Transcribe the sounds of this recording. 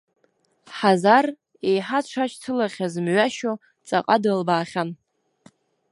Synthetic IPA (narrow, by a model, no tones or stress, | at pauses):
ħazar | ejħaʈ͡ʂʷʰat͡ʃʰtʰɨlaχʲazmɥaʃo | t͡sʼa̰qʼadɨlbaːχʲan